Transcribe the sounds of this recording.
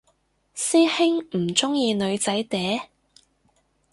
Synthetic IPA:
siː˥hɪ˥ŋm̩˨˩t͡sʊ˥ŋjiː˧nɵ˨˧ɥt͡sɐ˨˥jt̪ɛː˨˥

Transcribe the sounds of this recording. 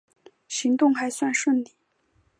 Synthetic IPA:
ɕi˧˥ŋt̪ʊ˥˩ŋxa˨˧˥ɪswa˥˧nʂwə˥˩nli˥˩

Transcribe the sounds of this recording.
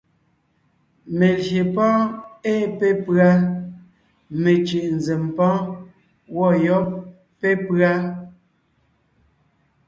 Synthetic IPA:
me˨lje˨pɔ̃ː˦eː˦˨pe˦pɰa˦ | me˨t͡ʃi˨ʔn̩˨ze˨mpɔ̃˦ | wɔ˦˨jɔ˦p̚ː | e˦pɰa˦

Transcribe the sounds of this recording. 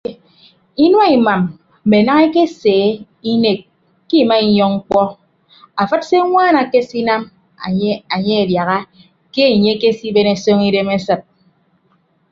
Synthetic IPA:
i˦nwa˦i˨ma˨m̩˨ | me˨na˦ŋe˦ke˦seː˨˦ | i˦ne˨k̚ː | i˦˨ma˦i˨ɲɔ˦ŋŋ̩˦k͡pɔ˦ | a˨fɨ˦tse˦ŋʷaː˦na˨ke˦si˦na˦m | a˨a˨ɲe˦e˨dja˨ɣa˦ | ke˦˨ɲe˦ke˦si˦be˦ne˨so˦ŋi˦de˦me˦sɨ˨t̚

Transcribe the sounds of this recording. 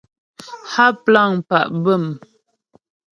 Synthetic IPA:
ha˦pla˦˨ŋpa̰˨ʔbə˦˨m

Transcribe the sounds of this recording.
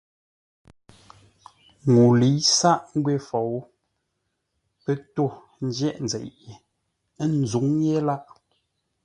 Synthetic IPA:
ŋu˨li˨˦sa˦ʔŋ̩˦ɡwe˦˨fɔ˨˦w | pɛ˦to˦˨ | n̩˦d͡ʒjɛ˦˨ʔn̩d͡zɛ̰˨ʔje˨˦ | n˨zu˨˦ŋje˦la˦ʔ

